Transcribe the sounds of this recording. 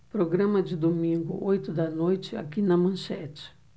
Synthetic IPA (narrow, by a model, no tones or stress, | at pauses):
pɾoɡɾɐ̃mɐd͡ʒɪd̪omĩŋɡʊ̰ʔojt̪ʊd̪ɐnojt͡ʃɪa̰kinɐmɐ̃sɛt͡ʃɪ̥